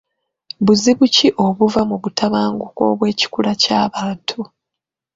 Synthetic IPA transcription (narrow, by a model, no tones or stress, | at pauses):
βuziβuciʔo̞βuvamuβutʰaβaːŋɡuko̞̰ːβwe̞ːci̥kulacaːβaːntʰu